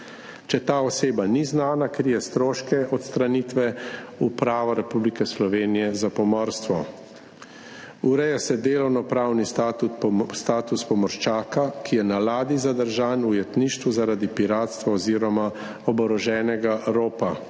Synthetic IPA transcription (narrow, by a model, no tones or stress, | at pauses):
t͡ʃɛt̪aːɔseːbaniznaːnakɾijɛst̪ɾoːʃkɛɔt̪st̪ɾaniːt̪ʋɛupɾaːʋaɾɛpublikɛslɔʋeːnijɛzapɔmɔɾst̪ʋɔ | uɾɛjasɛd̪eːlɔwnɔpɾawnis | st̪aːt̪uspɔmɔɾʃt͡ʃaːkakijɛnalaːd̪izad̪əɾʒaːnujɛt̪niːʃt̪ʋuzaɾaːd̪ipiɾaːt̪st̪ʋaɔziːɾɔma | ɔbɔɾɔʒɛːnɛɡaɾoːpa